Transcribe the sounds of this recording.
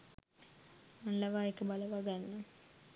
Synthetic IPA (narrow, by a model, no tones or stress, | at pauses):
manlaʋaːekəbaləʋaɡanːə